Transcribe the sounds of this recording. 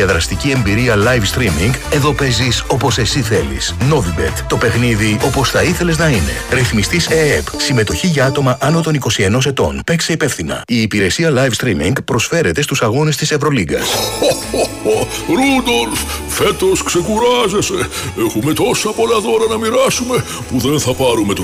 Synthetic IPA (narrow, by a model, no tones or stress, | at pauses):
ɐðɾɐst̪icie̞mbiɾiɐlɐjvst̪ɾimiŋɡe̞ðo̞pe̞ziso̞po̞se̞siθe̞lḭsno̞vibe̞̰t̪t̪o̞pe̞xniðio̞po̞sθɐiθe̞le̞znɐine̞̰ɾiθmist̪iseepsime̞t̪o̞çiʝɐɐt̪o̞mɐʔɐno̞t̪o̞niko̞sie̞no̞s̬e̞t̪o̞̰npe̞kse̞ipe̞fθinɐ̰iːpiɾe̞siɐlɐjfst̪ɾimḭŋɡpɾo̞sfe̞ɾe̞t̪e̞st̪usɐɣo̞nest̪ise̞vɾo̞liɡɐ̰so | ooɾud̪olsfet̪o̞skse̞kuɾɐze̞se | exume̞t̪o̞sɐpo̞lɐðo̞ɾɐnɐmiɾɐsume̞ | puðenθɐpɐɾume̞t̪u